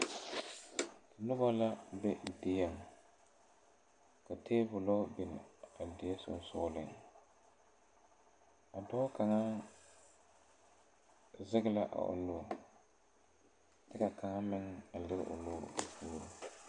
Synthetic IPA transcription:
a˨nʊ˦ba˦la˦bɛ˦˨dɪ˨ja˦˨ŋ˨ | ka˨tʰeː˦bʊ˨lɔ˦bɪ˨n˨a˨dɪ˨ɛ˦sʊ̰˨n˦sʊ˦lɪ˨ŋ | a˨dɔ˦ka˨ŋa˦ | zɪ˦ɡla˦ʔa̰˨ʔʊ̰˨nʊ˦a˨ | tɪ˦ka˨ka˨ŋa˦mɪ˦ŋa˨lɪ˦ɣ̰ʔʊ̰˨loː˦˨puː˦ɾʊ˦

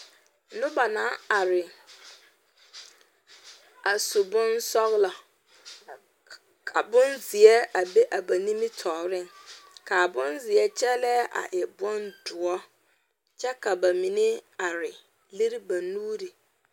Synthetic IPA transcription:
nʊ̃˦ba˨nã˦a˨ɾɪ˨ | a˨sʊ˨bʊ̃˦nsɔ˦ɣla˨ | kʰa˨bʊ̃˦nzɪ˨ɛ˦a˨be˦ʔa˨ba˨nĩ˦mĩ˦tʰɔː˨ɾɪ̃˦ŋkʰa˨bʊ̃˦nzɪ˨ɛ˦t͡ɕʰɛ˦lɛ˦ʔa̰˨ʔɛ˨bʊ̃˦nd̥ʊ˨ɔ˦ | t͡ɕʰɛ˦kʰa˨ba˨mĩ˨nɪ̃˦a˨ɾɪ˨ | li˦ɾi˦ba˨nuː˦ɾi˨

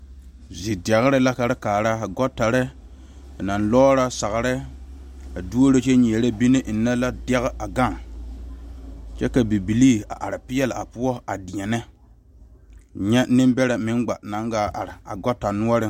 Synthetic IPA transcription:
zi˨dɛ˨ɣɪ˦ɾɪ˦la˦ka˨ɾɪ˦kaː˨ɾa˦a˨ɡɔ˦tːa˨ɾɪ˦˨ | na˨nlɔː˦ɾa˦sa˨ɣɾɪ˦ | a˨du˦o˦ɾe˦t͡ʃe˦ɲ˨e˨ɾe˦bi˦ne˦ʔi˨nːɛ˦la˦dɛ˦ɣɪ˦a˨ɡa˦˨ŋ | t͡ʃɛ˦ka˨bi˨bi˨li˦a̰˨ʔa˨ɾɪ˨pɪ˦jɛ˦la˨a̰˨pu˦ɔ˦a˨di˨ɛ˨nɛ˦ | ɲɛ˦nɪ˦mbɛ˦ɾa˨mɪ˨˦nɡ͡ba˨na˨˦ŋɡaː˨ʔa˨ɾɪ˨a˨ɡɔ˦tːa˨nu˦ɔ˦ɾɪ˦

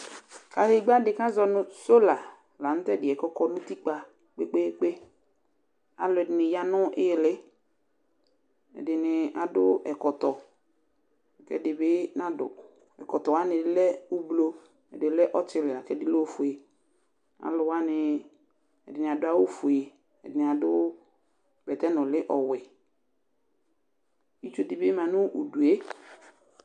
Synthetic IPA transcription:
ka˨hɪ˦˨˦ɡ͡ba˦dɪ˨ka˦zɔ˦nʊ˨so˦la˨ | la˨n̩˦tɛ˦˨dɪ˨ɛ˨kɔ˦kɔ˦nʊ̃˦ti˦k͡pa˨ | k͡pe˦k͡pe˦k͡pe˦ | a˨lʊ˨ɛ˨dɪ˨nɪ˨ja˦nʊ˦ʔɪ˦˨lɪ˦ | ɛ̰˨dɪ˨nɪ˨a˨dʊ˦ɛ˨kɔ˨t̪ɔ˨ | kɛ̰˦dɪ˨bɪ˦na˨dʊ̰˨ | ɛ̰˨kɔ˨tɔ˨wa˦nɪ˨˦lɛ˦ʊ˦blo˦ | ɛ̰˨dɪ˨lɛ˦ʔɔ˦t͡ʃɪ˦lɪ˨a˨kɛ˦dɪ˦lo˦fʊ˨e˨ | a̰˨lʊ˨wa˦nɪ˨ | ɛ̰˨dɪ˨nɪ˨a˨dʊ˦a˦wʊ˦fʊ˨e˨ | ɛ̰˨dɪ˨nɪ˨a˨dʊ˦ | bɛ˨tɛ˦nɔ̃˨lɪ˦ʔɔ˨wɪ˨ | i˦t͡ʃo˦dɪ˨bɪ˦mã˨nʊ̃˦ʔu˨du˨e˦

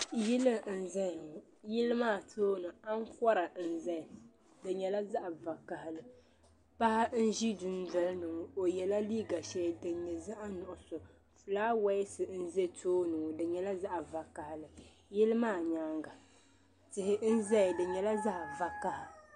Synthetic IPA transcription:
jɪ˦lɨ˦˨n̩˨zɛ˦ɲ˨ŋ˨ | jɪ˦lɨ˦maː˦˨tʰoː˦nɨ˨a˦ŋ˦kʷɔ˦ɾa˨n̩˨zɛ˦˨ | dɨ˨ɲɛ˨la˦za˦ʔa˨va˨ka˨hɪ˨lɨ˨ | pa˦ha˦n̩˦ʒi˦du˨n˦dɛ˨lnɨ˨ŋʊ˨o˨jɛ˨la˦liː˦ɡa˨ʃɛ˦˨dɨ˨ɲɛ˨za˦ʔa˦nʊ˨ʔʊ˨sʊ˨ | fɨ˨laː˦wa˦sɨ˨n̩˦ze˦tʰoː˦nɨ˨ŋ˨dɨ˨ɲɛ˨la˦za˦ʔa˨va˨ka˨hɪ˨lɨ˨ | jɪ˦lɨ˦maː˦˨ɲa˦ŋɡa˨ | tɪ˨hɪ˨n̩˦zɛ˦˨dɨ˨ɲɛ˨la˦za˦ʔva˨ka˨ha˨

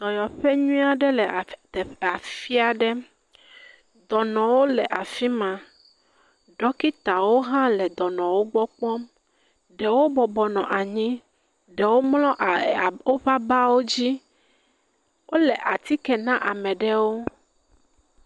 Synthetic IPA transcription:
d̪̥ɔ˨jɔ˨ɸɛ˦ɲũ˦a˨ɖɛ˦lɛ˨t̪a˨fi˦a˨ɖɛ˦ | d̪ɔ˨nɔ̃˨wo˦lɛ˨ʔa˨fi˦mã˨ | ɖɔ˦ki˦t̪a˨wo˦ɦã˦lɛ˨d̪ɔ˨nɔ̃˨wo˦ɡ͡bɔ˦k͡pɔ˦m | ɖɛ˨wo˦bɔ˨bɔ˨nɔ̃˨ʔa˨ɲĩ˦ | ɖɛ˨wo˦mlɔ̃˦ʔwo˦ɸa˦ba˦wo˦d͡ʑi˦ | wʔo˦lɛ˨ʔa˨t̪i˦kɛ˨nã˦ʔa˨mɛ̃˨ɖɛ˦wo˦

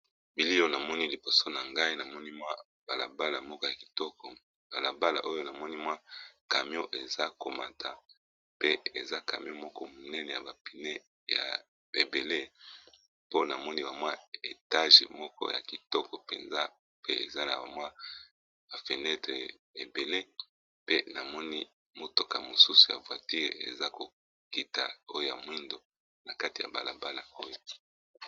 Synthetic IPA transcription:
bi˨li˦o˦na˨mɔ˦ni˦li˨bo˨so˦na˨ŋɡa˦i˦na˨mɔ˦ni˦mwa˦ | ba˨la̰˨ba˦la˨mɔ˦kɔ˦ja˨ki̥˨tɔ˦kɔ˨ | b̥a˨la˨ba˦la̰˨ʔo˦jo˦na˨mɔ˦ni˦mwa˦ka˨m˦o˦ʔe˨za˦ko˨ma˨tʰa˨ | pe˦e˨za˦ka̰˨mi˦o˦mɔ˦kɔ˦mo˨nɛ˦nɛ˨ja̰˨ba˨pi˨ne˦ | ja̰˨ | e˨be˨le˦ | po˦na˨mɔ˦ni˦ba˨mwa˦e˨ta˦ʒḛ˨mɔ˦kɔ̰˦ja̰˨ki˨tɔ˦kɔ˨pḛ˨nza˦ | pe˦ḛ˨za˦na˨ba̰˨mwa˦ | ba˨fe˨nɛ˦tʁe˨ | e˨be˨le˦ | pe˦na˨mɔ˦ni˦ | mo˨to˨ka˨mo˨su˦su˨ja̰˨vwa˨ti˦ʁḛ˨za˦ko˨ | ki˨ta˨o˦jo˦ja̰˨mwi˦ndo˨ | na˨ka˦ti˨ja̰˨ba̰˨la̰˨ba˦la˨o˦jo˦

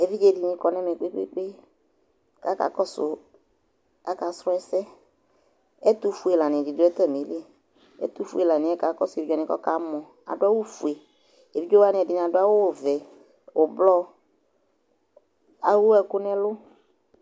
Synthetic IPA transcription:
ɛ˨vi˦d͡ʒɛ˦˨dɪ˨nɪ̃˦kɔ˨˦nɛ˦mɛ˨k͡pe˦k͡pḛ˦k͡pe˦ | ka˨˦ka̰˨˦kɔ˦sʊ˨ | ka˦ka˨sɾʊ˦ɛ˦sɛ˦ | ɛ˦t̪u˦fu˨e˨la˨nɪ̃˨dɪ˨dʊ˦ɛ˦t̪ɛ˦˨me˨˦li˦ɛ˨ | ɛ̰˦t̪u˦fu˦e˨la˨nɪ̃˨˦ɛ˦ka˨˦kɔ˦sʊ˨e˨vi˦d͡ʒɔ˦˨nɪ̃˨˦kɔ̰˦ka˨˦mɔ̃˨ | a̰˨dʊ˦a˦wʊ˦fu˨e˨ | e˨vi˦d͡ʒɔ˦wa˦nɪ̃˨ɛ˨dɪ˨nɪ̃˨a˨dʊ˦a˦wʊ˦˨vɛ˨ | ʊ˨blɔ˦ | a˨wʊ˦ɛ˨kʊ˦nɛ˦lʊ˦

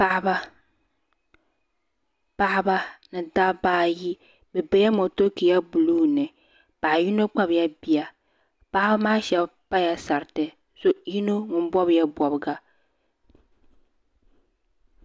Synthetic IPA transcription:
pa˦ʔba˦ | pa˦ʔba˦nɨ˨da˦baː˦ji˦ | bɛ˨bɛ˨˦ja˦mo˨to˦ki˨ja˦bu˨luː˦nɨ˨ | pa˨ji˦no˦k͡pa˦bja˦bi˨a˨ | pa˦ʔba˦maː˦ʃɛ˦bpa˦ja˦sa˨ɾtɨ˨ | so˦ji˦no˦ŋʊ˨m˦bɔ˦bja˦bɔ˨bɨ˨ɡa˨

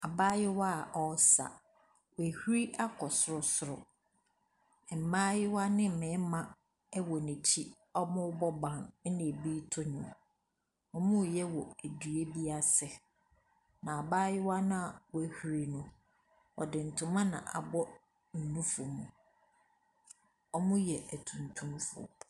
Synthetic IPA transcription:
a˨baː˦jɪ˦wa˦˨ʔɔ˦sa̰˨ | wæ˨hu˦ɾi˦ʔa˦kʰɔ˨sʊ˨ɾʊ˨sʊ˨ɾʊ̰˨ | m̩˨mãː˦jɪ˦wa˦nɪ̃˦m̩˨mɪ̃˨˦mã˦ | ɛ˦wɔ˨nĩ˨t͡ɕʰi˦ | ɔ˦mʊ̃˦bɔ˦bã˨n˦nɪ̃˨biː˦tʰʊ˦ɲʊ̃˨m | ɔ˦mʊ̃˦˨jɛ˦wɔ˨æ˨dɥe˦bi˦a˨sɛ˨ | nã˨a˨baː˦jɪ˦wa˦nã˦a˨wæ˨˦hu˨ɾi˦nʊ̃˦ | ɔ̰˨dɪ˨n̩˨tʰʊ̃˦mã˦nã̰˨ʔa̰˨bɔ˦ | n̩˨nũ˦fʊ˨mũ˨ | ɔ˦mʊ̃˦jɛ˨ʔæ˨tʰũ˨ntʰũ˦mfʊ̰˦˨

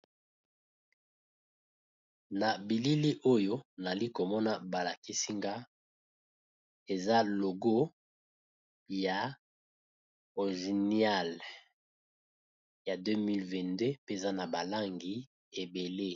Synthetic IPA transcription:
na˨bi˨li˦li˦ʔo˦jo˦na˨li˦ko˨mɔ˦na˦ba˨la˨ki˦si˦ŋɡa˦ | e˨za˦lo˨ɡo˦ | ja˨ | o˨ʒi˨ni˦a˦˨l | ja˨dø˦mi˦lvɛ̃˨nde˦pe˦e˨za˦na˨ba˨la˦ŋɡi˨ | e˨be˨le˦

